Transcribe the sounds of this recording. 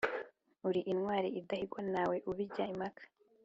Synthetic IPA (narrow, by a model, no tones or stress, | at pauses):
uɾiʔinŋwaːɾiʔidahiɡwanaːwe̞ʔuβiɟaimakʰḁ